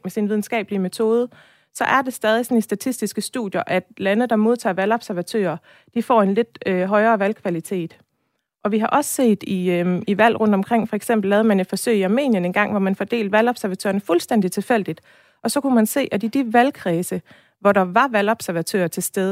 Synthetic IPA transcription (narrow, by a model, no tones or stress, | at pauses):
mesinʋiðˠn̩sɡ̥ɛ̰ːb̥əliəme̝t͡sʰo̝ːð̞ˠə | sɒ̽ʔæɐd̥e̝sd̥ɛːðˠisɒ̽nəsd̥æt͡sʰisd̥isɡ̥əsd̥ṵðˠjɐʔæd̥lænð̩ˠd̥ɑ̈mo̝ð̞ˠt͡sʰɑ̰̈ːʋælɒ̽b̥sæɐʋæt͡sʰø̰ːɐ | d̥ifɒ̰ːe̝nle̝d̥øɦɒ̽ɪɐːʋælkʰʋælit͡sʰe̝̰ːd̥ | ʔɒ̽ʋiɦɑ̈ʔɒ̽sə̥se̝̰ːd̥iiʋæl̰ʁɔ̽n̰d̥ɒ̽mkʰʁeŋ̰fɒ̽eɡ̥sem̰b̥l̩ːɛːðˠmæne̝d̥fɒ̽sø̰ɪiɑ̈me̝̰ːnjəne̝nɡ̥ɑ̈ŋ̰ʋɒmænfɒd̥e̝̰ːld̥ʋælɒ̽b̥sæɐʋæt͡sʰø̰ːɐnəfulsd̥en̰d̥it͡sʰe̝fel̰d̥id̥ | ʔɒ̽sɒ̽kumænse̝̰ːʔædid̥iʋælkʰʁɛːsə | ʋɒɾɑ̈ʋɑ̈ʋælɒ̽b̥sæɐʋæt͡sʰø̰ːɐt͡sʰe̝sd̥eðˠ